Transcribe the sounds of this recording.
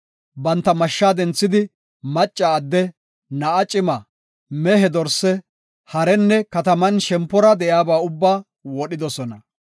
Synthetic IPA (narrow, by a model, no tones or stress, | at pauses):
bɐnt̪ːɐmɐʃːaːd̪ɛnt͡sːɪd̪ɪ | mɐt͡ʃʼːɐːd̪ːɛ | nɐʔɐt͡ʃʼɪmɐ | mɛɦɛd̪ɔɾsɛ | hɐɾɛnːɛkɐt̪ɐmɐnʃɛmpːɔɾɐd̪ɛʔjaːbaːʊbːaː | wɔɗɪd̪ɔsɔnɐ